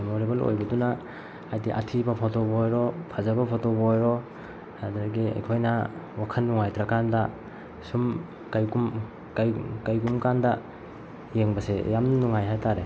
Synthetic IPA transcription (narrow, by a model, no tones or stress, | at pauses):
moɾebɐlo̰jbɐdunaː | jdiʔa̰tʰibapʰɔtobɔjɾɔpʰazabapʰɔtobjɾɔ | adɾaɡiḛjkʰojnawakʰənːuŋajtɾakanda | sum | kajɡum | kajkajɡumkanda | jeŋbasejamnuŋajɦajtaɾe